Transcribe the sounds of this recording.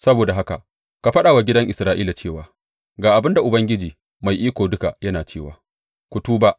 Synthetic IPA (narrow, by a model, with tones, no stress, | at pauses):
sɐ˦boː˨da˨ɦa˦ka˨ | ka˨ɸɐ˦ɗaː˨wa˨ɡʲɪ˦dɐ˦ŋʔɪ˨sɾaː˦ʔiː˦la˨t͡ʃeː˦˨waː˨ | ɡaː˨ʔa˨bɪ˦nda˨ʔʊ˨bɐ˦ŋɡʲɪ˦d͡ʒiː˨ | ma˨jʔiː˦kʷoː˨dʊ˦ka˨jɐ˦naː˨t͡ʃeː˦˨waː˨ | kʷʊ˨tuː˦ba˦ʔ